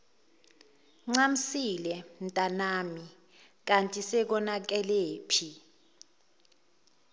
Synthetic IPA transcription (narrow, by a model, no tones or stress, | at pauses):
ŋ͡ǀam̩silɛn̩tʼanami | k̬antʼisɛk̬ɔnak̬ɛleːpʰi